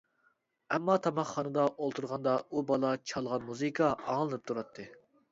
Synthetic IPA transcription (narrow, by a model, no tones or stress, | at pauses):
ɛmːɑt̪ʰɑmɑχːɑnɨd̪ɑʔolˠt̪ʰuɾʁɑnd̪ɑubɑlˠɑt͡ʃʰɑlˠʁɑnmuzɨkʰɑɑŋlˠɨnɨp̚t̪ʰuɾɑt̪ʰːɨ